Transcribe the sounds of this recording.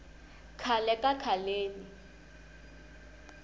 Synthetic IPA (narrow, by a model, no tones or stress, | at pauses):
kʰalɛkʼakʰaleːni